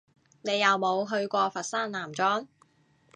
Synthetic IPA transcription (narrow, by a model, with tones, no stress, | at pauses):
ne˨˧jːɐ˨wmo˨˧wɦɵ˧ɥkʷɔː˧fɐ˨t̚saː˥nlaː˨˩mt͡sɔː˥ŋ